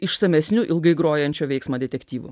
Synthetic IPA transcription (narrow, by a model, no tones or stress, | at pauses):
ɪʃsɐmʲɛsʲnʲʊʔɪlˠɡɐɪɡɾoːjɛnʲt͡ʃʲoːʋʲɛɪksmɐːd̪ʲɛt̪ʲɛkt̪ʲiːʋʊ̰